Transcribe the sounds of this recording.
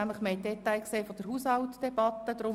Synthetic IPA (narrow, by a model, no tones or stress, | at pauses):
æmləχmeːdɛt̪aɪkseːfod̥̪əɾɦuːshɑltd̥ɛb̥ɑt̪ːəd̪̥ɾʊ